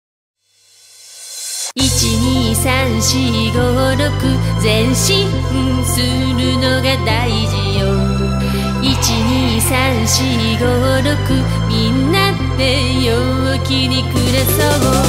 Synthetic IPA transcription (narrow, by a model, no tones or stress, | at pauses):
it͡ɕiɲisanɕiɡoɾokɯzenɕiɯsɯɾɯnoɡat̪aid͡ʑijo | it͡ɕiɲisanɕi | ɡo | ɾokɯ | mʲinːand̪e | jo | akinikɯɾesɔɡo